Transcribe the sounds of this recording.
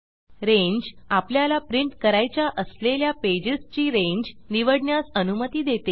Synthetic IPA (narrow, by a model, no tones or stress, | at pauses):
ɾeɲd͡ʑapljalapɾiɳʈkəɾajt͡ɕjaʔəsleljaped͡ʑəst͡ɕiːɾẽɲd͡ʑniʋəɽɳjasənumət̪iːd̪et̪e